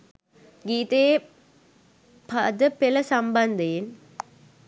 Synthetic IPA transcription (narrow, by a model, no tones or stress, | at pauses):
ɡiːt̪eje | pʰad̪əpelɐsamband̪ejen